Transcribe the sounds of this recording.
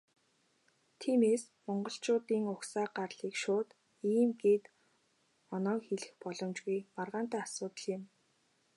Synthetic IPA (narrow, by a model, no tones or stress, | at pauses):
t̪ʰiːmeːs | mɔɴɢɞ̆ɬt͡ɕʊːt̪iːŋʊxsaːɢarɮiːkʃʊːt̪ | iːmɡeːt̪ | ɔnɔːkxeɮɘ̆xpɔɮɞ̆mt͡ɕɣujmarʁaːn̥t̪æːasʊːt̪ə̆ɮɪ̆m